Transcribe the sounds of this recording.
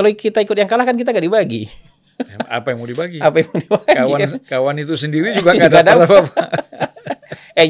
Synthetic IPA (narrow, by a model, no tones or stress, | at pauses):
kaloikit̪aikʊt̪̚jaŋkalahkankit̪̬aŋɡadibaɡḭ | a̰pajaŋmɔdibaɡiapajaŋmaŋdibaɡwakawanit̪usəndiɾid͡ʒuɡaɡdadalapapa | ɛ